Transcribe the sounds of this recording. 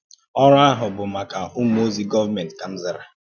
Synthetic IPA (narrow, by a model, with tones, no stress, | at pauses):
ɔ˦ɾʊ˦a˦ɦʊ˨bʊ˨ma˨ka˨ʔʊ˦m̩˦o˦zi˦ɡɔ˦va˦me˨n˨tka˨m̩˦zɪ˦ɾa˨